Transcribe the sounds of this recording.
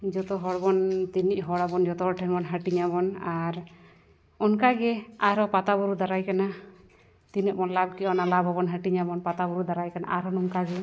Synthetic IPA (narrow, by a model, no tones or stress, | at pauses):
d͡ʒɔt̪ɔɦɔɽbɔnt̪iniʔ̚ɦɔɽabɔnd͡ʒɔt̪ɔɔʈʰɛnbɔnɦəʈiɲabɔnaɾ | ɔnkaɡɛaɾɦɔpat̪abɔɾud̪aɾajkana | t̪inɛʔ̚bɔnlab̚kɛɔnalabʱɦɔbɔnɦaʈiɲabɔnpat̪abɔɾud̪aɾajkana̰ʔaɾɦɔnɔnkaɡɛ